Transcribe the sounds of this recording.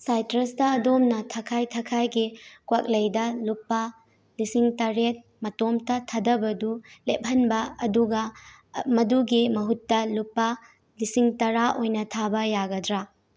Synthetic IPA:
sajtɾɐstɐːdomnɐtʰɐkʰajtʰɐkʰajɡikwak̚lɐjdɐlupːɐ | lisiŋtɐɾet̚ | mɐtomtɐtʰɐdɐbɐdulep̚ɦɐnbɐɐduɡɐ | mɐduɡimɐɦutːɐlupːɐ | lisiŋtɐɾaʔojnɐtʰabɐjaɡɐdɾa

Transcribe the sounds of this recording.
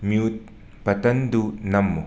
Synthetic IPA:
mijut̪̚ | pɐt̪ɐnd̪unɐmːu

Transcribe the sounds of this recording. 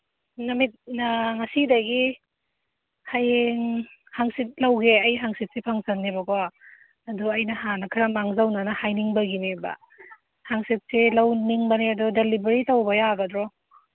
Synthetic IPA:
nɐmit̚naŋɐsidɐɡi | hajeŋhaŋsit̚lawɡeɐjɦaŋsit̚sipʰaŋsɐnːebɐkwaː | duɐjnɐhanɐkʰiɾɐmaŋzawnɐnɐhajniŋbɐɡinebɐ̰ | haŋsit̚selawniŋbɐniɐdudelibeɾitɐwbɐjaɡɐdɾɔ

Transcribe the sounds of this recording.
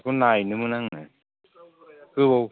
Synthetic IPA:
kunajnɯmɯnaŋna̰ | kɯbow

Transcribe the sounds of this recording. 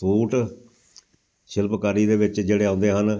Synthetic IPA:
uːʈ | ʃɪlpkaːɾiːd̪eːʋɪt͡ʃd͡ʒeːɽeːãʊːnd̪eːɦən

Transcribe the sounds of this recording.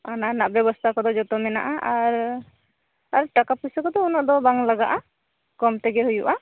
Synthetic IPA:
ananaʔbjɛbɔst̪ʰakɔd̪ɔd͡ʒɔt̪ɔmɛna̰ʔaʔaɾ | aɾʈakapusɔkɔd̪ɔunɔʔd̪ɔbaŋlaɡaʔa | kɔmt̪ɛɡɛɦujuʔa

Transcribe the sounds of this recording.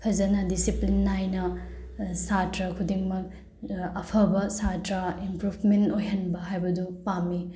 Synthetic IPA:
pʰɐzɐnɐdisiplinːajnɐ | satɾɐkʰudiŋmɐk̚ | ɐpʰɐbɐsatɾaimpɾupʰmentojɦɐnbɐɦajbɐdupami

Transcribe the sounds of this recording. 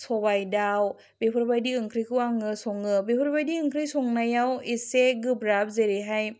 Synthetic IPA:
sobajdaw | bepʰɯɾbajdiɯŋkʰɾijkʰɯaŋɯsoŋɯbepʰɯɾbajdiɯŋkʰɾijsoŋnajawiseɡɯpɾap̚zeɾiɦaj

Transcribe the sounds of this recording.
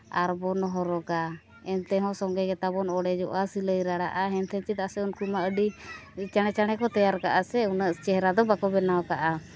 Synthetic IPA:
aɾbɔnɔɦɔɾɔɡa | ɛnt̪ɛɦɔ̃sɔŋɡɛɡɛt̪abɔnɔɽɛd͡ʒɔʔasiləjɾaɽaʔaɦɛnt̪ʰɛnt͡ʃit̪̚asɛunkumaəɖit͡ʃaɽ̃ɛt͡ʃaɽ̃ɛkɔt̪ɛjaɾkaʔasɛunəʔt͡ʃɛɦɾad̪ɔbakɔbɛnawkaʔa

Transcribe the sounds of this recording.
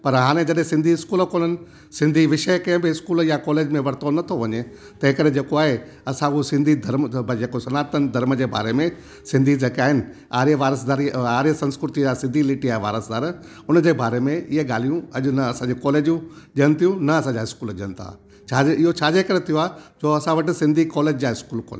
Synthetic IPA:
pɐɾɦaːɽ̃ẽd͡ʑɐɗẽsɪ̃nd̪ʱiɪskuːlkoːnənɪ̆ | sɪ̃nd̪ʱiʋɪʃəjkɐ̃ɦɪ̃bɪɪskuːləjakɔːleːd͡ʑmẽʋɐɽt̪ʰonɐt̪ʰoʋɐɲe | t̪ɐ̃ɦɪ̃kəɗed͡ʑeːkoaːɦe | ɐsãʊɦosɪ̃nd̪ʱid̪ʱɐɾmbʱd͡ʑeːkosɐnaːt̪ənd̪ʱɐɾməd͡ʑeːba̰ːɾemẽ | sɪ̃nd̪ʱid͡ʑeːkaːɦɪnɪ̆ | aːɾieʋaːɾəs̬d̪aːɾiaːɾisɐ̃nskɾɪt̪id͡ʑasɪ̃nd̪ʱilɪːʈiaːɦeʋa̰ːɾəsd̪aːɾ | ʊnd͡ʑebaːɾemẽɪɦeɠaːl̤ijũɐʄʊnɐɐsãːd͡ʑekɔːleːd͡ʑũʄiənɪt̪ʰijũnɐɐsãːɲd͡ʑaːɦɪskuːlʄiənɪ̆t̪ʰa̰ː | t͡ɕʰaːd͡ʑeɪɦot͡ɕʰaːd͡ʑekɐɾet̪ʰijoaːd͡ʑoːɐsãʋɐʈɪ̆sɪ̃nd̪ʱikɔːleːd͡ʑd͡ʑaːɪskuːlkɔ̰ːl

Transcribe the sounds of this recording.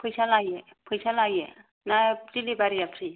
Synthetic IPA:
pʰɯjsalajɛ | pʰɯjsalajɛ | najdilibaɾiapʰɾi

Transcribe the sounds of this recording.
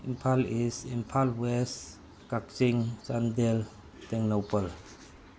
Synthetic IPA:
impʰalisimpʰalwɛs | kak̚t͡ʃiŋt͡ʃandɛl | t̪ɛŋnopəl

